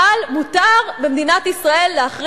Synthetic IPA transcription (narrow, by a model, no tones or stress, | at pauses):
almut̪aʁbemd̪inat̪isʁae̞lːeaχʁ